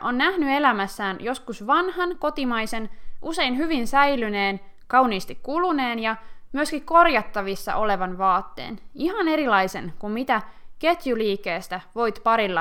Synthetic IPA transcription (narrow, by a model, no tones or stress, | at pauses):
ʔonːæhnye̞læmæsːæːnjo̞skusʋɑnhɑnko̞t̪imɑjse̞nʔuse̞ijnhyʋinsæjlyne̞ːn | kɑuniːst̪ikkulune̞ːnjɑmyøskikko̞rjɑt̪ːɑʋisːɑ̰ʔole̞ʋɑnʋɑːt̪ːḛːniɦɑne̞ɾilɑjsenkummit̪æke̞t̪juliːkːe̞ːst̪æʋo̞jt̪pɑɾilːɑ